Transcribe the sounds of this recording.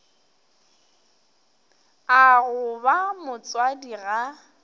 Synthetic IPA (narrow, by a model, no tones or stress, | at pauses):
aɣʊbamʊt͡sʼwadiɣa